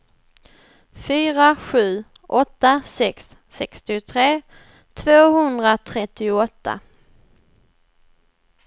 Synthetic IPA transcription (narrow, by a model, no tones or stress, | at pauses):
fyːɾaɧʉ̟ː | ʔɔt̪ːasɛksːɛkst̪ɪt̪ʰɾeː | t̪ʰvoːɦɵnd̪ɾat̪ʰɾɛt̪ːɪʊɔt̪ʰːa̰